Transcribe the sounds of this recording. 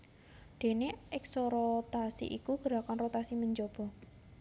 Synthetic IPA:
ɖ̪̥e̤neʔɛksoɾot̪asḭʔḭkuɡ̥əɾakanrot̪asiməɲd͡ʒob̥ɔ̤

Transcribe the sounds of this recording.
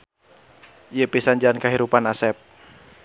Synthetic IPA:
jəpisand͡ʒankaɦiɾupanasɛp̚

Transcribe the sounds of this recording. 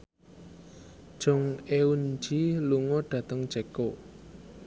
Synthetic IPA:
d̥ʒ̥ʊŋeund͡ʒiluŋoɖ̥ä̤t̪əŋ̥d͡ʒ̥ɛko

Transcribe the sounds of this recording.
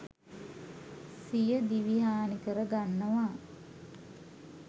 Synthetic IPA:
sijəd̪iʋiɦaːnikəɾəɡanːəʋa

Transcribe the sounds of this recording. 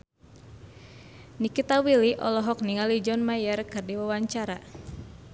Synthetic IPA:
nikit̪awiliʔɔlɔɦɔk̚niŋalid͡ʒɔnmajərkɨrdiwawaɲt͡ʃaɾa

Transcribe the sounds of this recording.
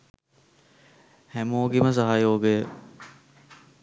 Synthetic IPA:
hɛmoːɡiməs̬ɐɦaːjoːɡe

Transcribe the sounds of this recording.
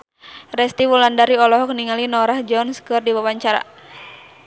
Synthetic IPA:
rɛst̪iwulandaɾiɔlɔɦɔk̚niŋalinɔɾahd͡ʒɔnskɨrdiwawaɲt͡ʃaɾa̰

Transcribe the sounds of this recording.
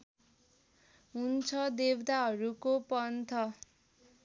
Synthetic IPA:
ɦunt͡sʰʌd̪ewd̪aɦʌɾukopʌnt̪ʰʌ

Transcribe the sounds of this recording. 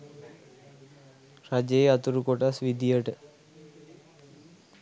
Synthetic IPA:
rad͡ʒeeat̪uɾukoʈasʋid̪ijəʈə

